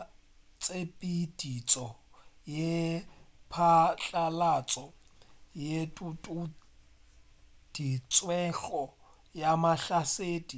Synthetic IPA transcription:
t͡sʼepʼid̥it͡sʼɔje | pʰat͡ɬʼalat͡sʼɔjetutʼu | d̥it͡sʼwɛɬɔ | jamaɬaseːdi

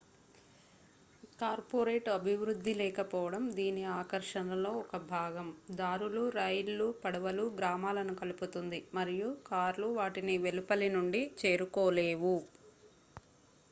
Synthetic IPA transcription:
kaːɾpoɾeːʈɐbʱiʋɾud̪ʱːilɛːkɐpɔːʋɐɽɐmd̪iːniaːkɐɾʂɐnɐlo̞ːɔkɐbʱaːɡɐmd̪aːɾuluɾɐjlːupɐɽɐʋɐluɡɾaːmaːlɐnukɐluput̪und̪imɐɾijukaːɾluʋaːʈiniʋelupɐlinuɳɖit͡ʃe̞ːɾukɔːle̞ːʋu

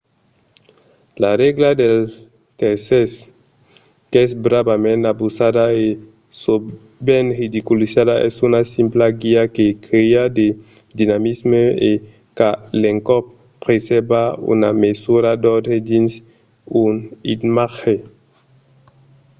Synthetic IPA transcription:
larɛɡlad̪el | t̪eɾses | kɛsbɾabamẽnabusad̪ae | so | bɛnrid̪ikulisadaʔɛ̰sunasimplaɡiakekɾiad̪e | d̪inamizmee | kaleŋkɔpː | ɾesebaṵnamesuɾad̪ɔd̪ed̪ins | unid̪maxe

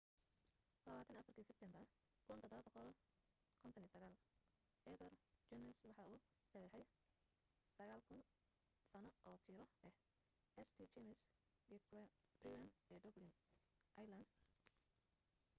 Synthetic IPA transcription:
lɐβaːt̪ʰɐnɐfɐrkʰiːsɛb̥̚t̪ʰɛmbɐr | kʰʊnt̪ɔd̪ɔβɐbɔqɔl | kʰɔnt̪ʰɔnijɐsɐɣaːl | ʔɛðɐrt͡ʃɔnɛswɑħɑuː | sɐjɐħɛj | sɐɣaːlkʰʊn | sɐnɔʔɔːk̪ʰiːɾɔʔɛh | ʔɛst̪ʰit͡ʃɛmɪs | b̥rijɐnɛːd̪ɔblɪn | ʔɐjlɐnd̪

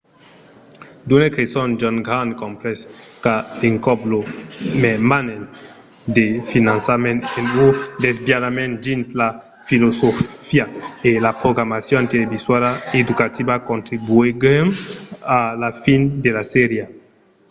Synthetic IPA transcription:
d̪unekesɔnd͡ʒɔ̃nɡɾankõmpɾɛs | kaeŋkɔblomemanen | d̪efinãnsamenenud̪ezbjadamẽnd͡ʒinsla | filosofiaelapɾoɡɾamasjɔ̃nt̪eleviswaɾaed̪ukat̪ibakõnt̪ɾibueɡemalafind̪elaseɾja

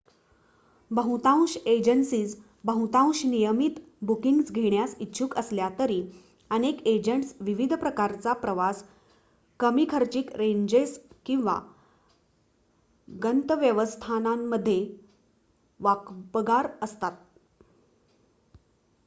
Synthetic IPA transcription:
bəɦut̪ãw̃ɕed͡ʑəɳsiːd͡z | bəɦũt̪ãw̃ɕnijəmit̪ | bukiŋɡsɡʱeɳjasitːɕʰuːkəsljat̪əɾiː | əneked͡ʑəɳʈsʋiʋid̪ʱpɾəkaɾt͡sapɾəʋas | kəmiːkʰəɾt͡ɕiːkɾeɲd͡ʑeskĩw̃ʋa̰ | ɡənt̪əʋjəʋəst̪ʰanamːəd̪ʱːje | ʋakbəɡaɾəst̪at̪̚

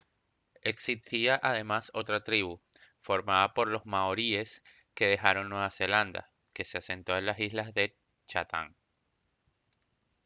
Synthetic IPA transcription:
e̞ksist̪iaʔað̞e̞maso̞t̪ɾat̪ɾiβ̞u | fo̞ɾmaðapo̞ɾlo̞zmaoɾie̞s | ke̞ðe̞xaɾo̞ŋnweβase̞land̪a̰ | ke̞se̞ase̞nt̪o̞e̞nlasizlazðe̞ | t͡ʃat̪ʰa̰ŋ

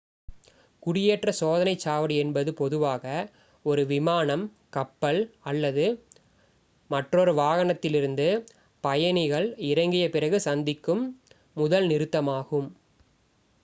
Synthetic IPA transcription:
kʊɽɪjeːʈrɐsoːðɐnɐɪt͡ʃːaːʋɐɽɯɛnbɐðɯpɔðɯʋaːɣɐ | ɔɾɯʋɪmaːnɐm | kɐpːɐlɐlːɐðɯ | mɐʈrɔɾɯʋaːɣɐnɐt̪ːɪlɪɾɯnd̪ɯ | pɐjɐnɪɣɐɭɪɾɐŋɡɪjɐpɪrɐɣɯsɐnd̪ɪkːɯmː | ʊðɐlnɪɾɯt̪ːɐmaːɣɯm

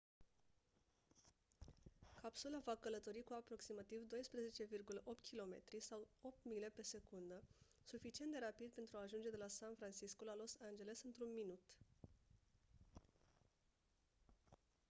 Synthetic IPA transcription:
kapsulavakələt̪o̞ɾikuapɾo̞ksimat̪ivd̪o̞jspɾeze̞t͡ʃe̞virɡuləʔo̞p̚t̪kʰʲilo̞me̞̰t̪ɾisawo̞p̚t̪mile̞pe̞se̞kund̪ə | sufit͡ʃient̪d̪e̞ɾapid̪̚pent̪ɾuaːʒund͡ʒe̞d̪e̞lasanfɾant͡ʃiskulalo̞sand͡ʒe̞le̞sɨnt̪ɾunminut̪

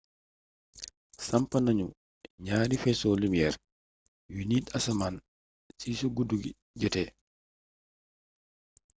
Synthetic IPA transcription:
sɐmpɐnaɲu | ɲaːɾifɛsɔlumijɛːɾ | juniːtasaman | siːsuɡuduɡḭ | ɟɛtɛ

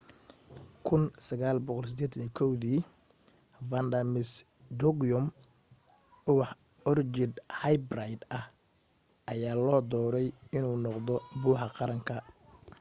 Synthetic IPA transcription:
kʰʊnsɐɣaːlbɔqɔlsɪd̪eːt̪ʰniːkʰɔwðiː | vɐnd̪ɐmɪs | d̪ɔɡɔm | ʊwɑħ | ɔrt͡ʃɪd̪hajbrajd̪ɐh | ʔɐjaːlɔːd̪ɔːɾɛjɪnuːnɔqðɔbuːħɑqɑɾɐŋkʰɐ

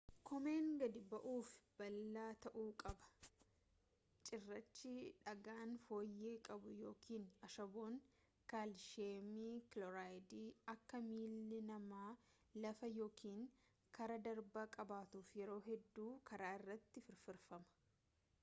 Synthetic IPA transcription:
kʰɔme̞ːŋɡɐd̪ɪbɐʔuːfb̥ɐlːaːt̪ɐʔuːkʼɐbɐ̥ | t͡ʃʼɪrːɐt͡ʃːɪᶑɐɡaːnfo̞ːjːe̞ːkʼɐbʊjo̞ːkʰiːnɐʃɐboːŋ | kalʃeːmiːklɔɾaːjd̪iːɐkːɐmiːlːɪnɐmaː | lɐfɐjo̞ːkʰiːŋ | kɐɾɐd̪ɐɾbɐkʼɐbaːt̪uːfjɛɾo̞ːɦɛd̪ːuːkʰɐɾaːɪrːɐt̪ːɪfɪɾfɪɾfɐmɐ̥

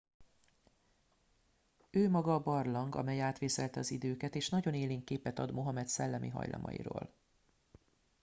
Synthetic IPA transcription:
øːmɒɡɒːbɒrlɒŋɡɒ̰mɛjaːt̪ʋeːsɛlt̪ɛɒzid̪øːkɛt̪eːʃnɒɟo̞neːleːŋkːeːpɛt̪ɒd̪mo̞ɦɒmɛt̪sɛlːɛmiɦɒ̰jlɒ̰mʔɒ̰jḭɾo̰ːl

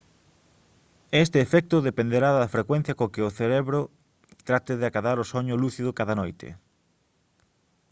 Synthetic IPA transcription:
est̪ɪːfɛk̚t̪ʊðepẽnd̪eɾaðɐfɾekwẽn̟θjɐkokɪoθeɾeβɾʊ | t̪ɾat̪ɪðɪakaðaɾʊsoɲʊluθiðʊkaðɐnojt̪ʰɪ̰

